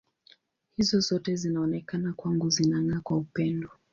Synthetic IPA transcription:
hizɔzɔtɛzinaɔnɛkanakwaŋɡuzinaŋɡakwaupɛndɔ

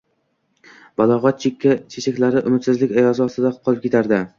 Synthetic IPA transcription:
b̥alˠɒʁɒt̪̚t͡ʃʰekʲʰːat͡ʃʰet͡ʃakʲlaɾɪʔʊmɪt̪sɪzlɪkʲajɒzɪɒst̪ɪd̪aqʰɒlˠɪpkʲʰe̞t̪ʰaɾd̪ɪ

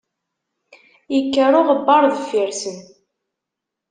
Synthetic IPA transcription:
jəkːəɾʊʁəbːɑɾˤðəfiɾsən

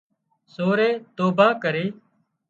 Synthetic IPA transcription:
soːɾeːt̪oːbaːkəɾeː

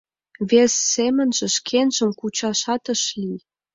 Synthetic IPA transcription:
βesːemə̆nʒĕʃkʰenʒə̆mkut͡ɕɑʃɑt̪ə̆ʃli

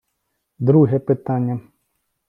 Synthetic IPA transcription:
d̪ɾuɦɛpɪt̪anʲːɐ

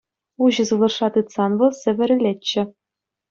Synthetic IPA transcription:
uʑɤ̆zɯlˠɤ̆rʂɑt̪ɯt̪sɑnʋɤ̆lˠsʲɘ̆ʋʲɘ̆ɾʲɘ̆lʲeːɘ̆

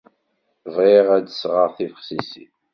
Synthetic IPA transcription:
vʁeʁæd̪əsʁəʁθifəχsisḭ

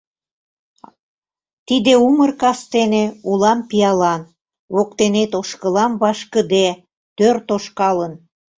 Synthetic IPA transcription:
t̪id̪eumərkɑst̪eneulɑmpijɑlɑn | βok̚t̪enet̪oʃkəlɑmβɑʃkəd̪e | t̪ørt̪oʃkɑlən

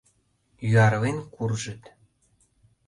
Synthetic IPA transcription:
jyɑɾvenkurʒə̆t̪

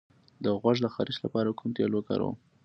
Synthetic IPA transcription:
d̪əɣwaʒləxaɾisla̰pɑɾakumt̪jɑloka̰ɾo̰

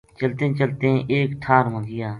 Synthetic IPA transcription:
t͡ʃəlt̪ẽːt͡ʃəlt̪ẽʔeːkʈʰaːɾmə̃ɡɪjaː

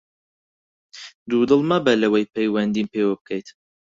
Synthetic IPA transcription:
d̪ud̪ɨlˠmabɐlɐwejpʰɛjwɐnd̪iːnpewɐb̚kʰɛjt̪

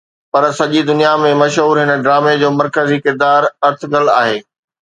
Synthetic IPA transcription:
pɐɾsɐʄid̪ʊnijamẽmɐʃɦuːɾɦɪnə̆ɖɾaːmed͡ʑoːmɐɾkəzikɪɾd̪aːɾɐɾt̪ʰɡɐlaːɦeː

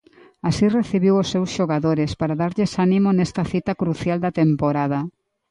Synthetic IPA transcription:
asireθiβiwosːewsʃoɣaðoɾespaɾaðaɾʎesanimonɛst̪ɐθit̪ɐkɾuθjald̪ɐt̪empoɾað̞ɐ

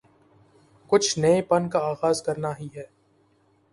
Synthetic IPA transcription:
kʊt͡ʃʰnɐepɐnkaaːɣaːzkɐɾnaɦiɦɛː

